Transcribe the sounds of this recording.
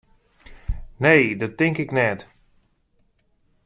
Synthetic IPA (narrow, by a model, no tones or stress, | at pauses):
neːdɔtɪŋkɪknɛt